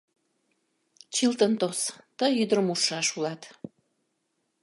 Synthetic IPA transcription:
t͡ɕilt̪ənt̪ost̪əyd̪əɾəmuʃɑʃulɑt̪

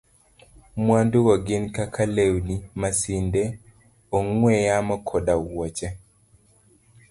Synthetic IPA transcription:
mwanduɡɔɡɪnkakʰalewnimasindɛ | oŋwɛjamɔkʰɔdawɔt͡ʃɛ

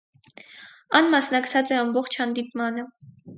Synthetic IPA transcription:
ɑnmɑsnɑkt͡sʰɑt͡sɛɑmbɔχt͡ʃʰhɑnd̪ipmɑnə

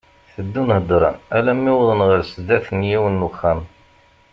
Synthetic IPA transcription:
θəd̪ːunhəd̪ˤɾˤɑ̰nælæmːɪwðˤənʁəɾsəd̪æθənjiwənːuxːæn

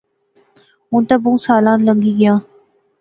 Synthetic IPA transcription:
ɦʊ̃ːnt̪abũːsaːlãːnləŋɡiːɡɪjãː

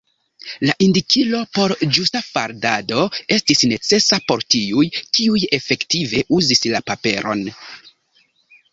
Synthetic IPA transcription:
laʔindikilo̞po̞ɾd͡ʒustafaɾdado̞e̞stisne̞t͡se̞sapo̞ɾtiujtiuje̞fe̞ktive̞ʔuzislapape̞ɾʔo̞̰n

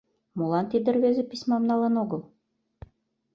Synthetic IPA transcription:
molɑnt̪id̪ɘ̆rβezĕpisʲmɑmnɑlenoɣɤ̆lˠ

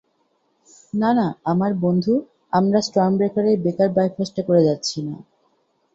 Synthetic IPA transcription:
nanaamaɾbond̪ʱu | amɾasʈɾambɾekaɾebekaɾbajfʰasʈakoɾed͡ʑatːɕʰina̰

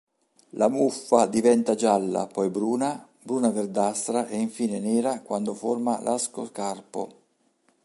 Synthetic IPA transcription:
lamufːad̪ivɛnt̪ad͡ʒalːa̰pɔjbɾuːna | bɾuːnaverd̪ast̪ɾaʔɛiɱfiːnenɛːɾakwand̪ʊformalʔaskoskarpo̰

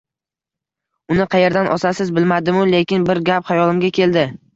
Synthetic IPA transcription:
ʊnɪqʰɑje̞ɾd̪anʔɒsasɪzbɪlmad̪ɪmʊle̞kʲɪnbɪɾɡʲaphajɒlˠɪmɡʲakʲʰe̞ld̪ɪ

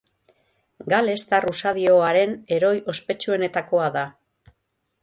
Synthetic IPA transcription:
ɡale̞st̪arusaðio̞aɾe̞ne̞ɾo̞jo̞spe̞t͡ʃue̞ne̞t̪ako̞aða

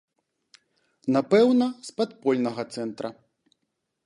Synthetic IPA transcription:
napɛwnɐspat̪pɔlʲnɐɣɐt̪sɛnt̪ɾɐ

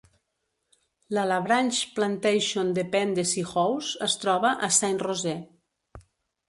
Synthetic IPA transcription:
lalaβɾanʲt͡ʃplant̪ejʃond̪epɛnd̪esixɔwsəst̪ɾɔβaʔasanrozɛ

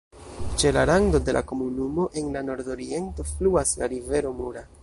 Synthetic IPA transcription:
t͡ʃe̞laɾaŋdo̞de̞la̰ko̞munumo̞ʔe̞nlano̞ɾdo̞ɾie̞nto̞fluasla̰ɾive̞ɾo̞muɾa

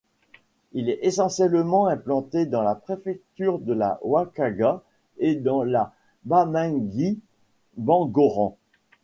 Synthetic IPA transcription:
ilɛesɑ̃sjɛlmɑ̃ɛ̃plɑ̃t̪ed̪ɑ̃lapχefɛk̚t̪yʁd̪əla̰wakaɡa | ed̪ɑ̃la | bamɛ̃ɡi | bɑ̃ɡɔʁɑ̃

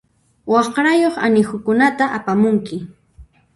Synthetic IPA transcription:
wɑχɾajoχa̰nɪxʊkʊnat̪aʔapamʊŋkɪ

